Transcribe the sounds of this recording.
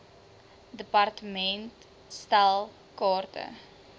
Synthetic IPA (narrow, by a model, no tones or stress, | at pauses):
dəpɐrtəmɛnt | stalˠ | kɑːrtə̰